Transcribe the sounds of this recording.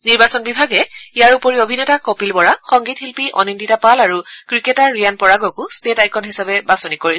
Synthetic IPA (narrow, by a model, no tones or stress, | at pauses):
niɹbasɔnbibʱaɡɛijaɹupoɹiobʱinɛtakopilbɔɹaxɔŋɡithilpiʔɔ̰ninditapalaɹukɹikɛtaɹɹijanpɔɹaɡɔkustetajkɔnɦisabɛbasɔnikoɹi